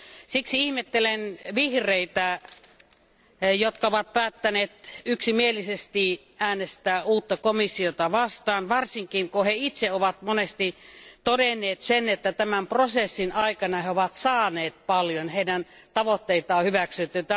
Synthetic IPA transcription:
siksiihmet̪ːelenʋihreit̪æ | jot̪kɑoʋɑt̪̚pæːt̪ːæneːt̪yksimielisest̪i | æːnest̪æːuːt̪ːɑkomisːiot̪ɑʋɑst̪ɑːnʋɑrsiŋkiŋkoheit̪seoʋɑt̪monest̪it̪odenːˑeːt̪senet̪ːæt̪æmæmprosesːinɑikɑnɑheoʋɑt̪sɑːneːt̪̚pɑljonheidæn | t̪ɑʋot̪ːeit̪ɑːhyʋæksyt̪ːyt̪æ

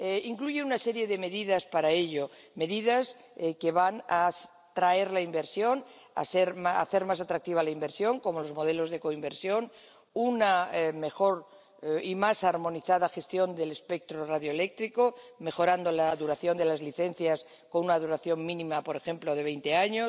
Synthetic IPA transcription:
eiŋkluʝe̞unase̞ɾje̞ðe̞me̞ðiðaspaɾae̞ʎo̞ | me̞ðiðas | ke̞βana | t̪ɾae̞ɾlaimbe̞ɾsjo̞na̰seɾma̰θe̞ɾmasat̪ɾak̚t̪iβ̞alaimbe̞ɾsjo̞ŋko̞mo̞lo̞zmo̞ð̞elo̞zðe̞ko̞imbe̞ɾsjo̞n | uname̞xo̞ɾ | imasaɾmõ̞niθaðaxe̞st̪jo̞nd̪e̞le̞spek̚t̪ɾoraðjo̞ele̞k̚t̪ɾiko̞me̞xo̞ɾand̪o̞laðuɾaθjo̞nd̪e̞lazliθe̞n̟θjas | ko̞nunaðuɾaθjo̞ŋmĩnĩmapo̞ɾe̞xe̞mplo̞ð̞e̞βe̞jnt̪e̞aɲo

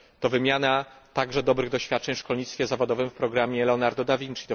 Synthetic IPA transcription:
t̪ɔvɘmʲjanat̪aɡʐɛd̪ɔbɾɘɣd̪ɔɕfʲat̪̚t͡ʂɛɲfʂkɔlɲit̪st̪fʲjɛzavɔd̪ɔvɘmfpɾɔɡɾamʲjɛlɛɔnaɾd̪ɔd̪avʲint͡ʂkʲit̪ɔ

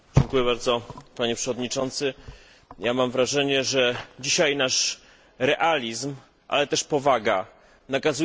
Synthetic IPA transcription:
d͡ʑɛŋkujɛbaɾd̪zɔpaɲɛpʂɛvɔd̪ɲit͡ʂɔnt̪sɘ | jamamvɾaʐɛɲɛʐɛd͡ʑiɕajnaʂ | ɾɛʔalʲizm | ʔa̰lɛt̪ɛʂpɔvaɡa | nakazu

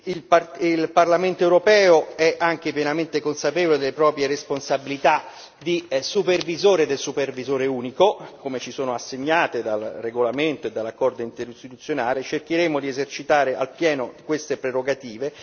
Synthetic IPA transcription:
ilparilparlament̪oɛwɾopɛːoɛʔaŋk̟epjenament̪ekonsapevoled̪elːepɾɔːpɾjeɾesponsabilit̪a | d̪isupervizoːɾed̪elsupervizoːɾeuːnikokomet͡ʃisoːnoasːeɲːaːt̪ed̪alreɡolament̪oed̪ːalːakːɔrd̪oint̪eɾist̪it̪ut̪sːjonaːlet͡ʃerk̟iɾeːmod̪iezert͡ʃit̪aːɾeʔa̰lpjɛːnod̪ikwest̪epɾeɾoɡat̪iːve

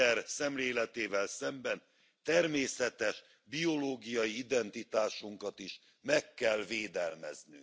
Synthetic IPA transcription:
ɛrsɛmleːlɛt̪eːvɛlsɛmbɛn | t̪ɛrmeːsɛt̪ɛʃ | bio̞loːɡijɒjiid̪ɛnt̪it̪aːʃuŋkɒt̪iʃ | mɛkːɛlveːd̪ɛlmɛ̰zny̰ŋ

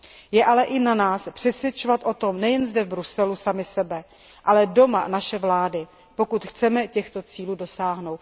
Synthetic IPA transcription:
jɛʔalɛʔɪnanaːspr̥ɛsvjɛt͡ʃovat̪ʔo̞t̪o̞mnɛjɛnzdɛvbɾusɛlusamɪsɛbɛ | ʔalɛdo̞ma̰naʃɛvlaːdɪ | po̞kut̪xt͡sɛmɛcɛxt̪o̞t͡siːluːdo̞saːɦnowt̪

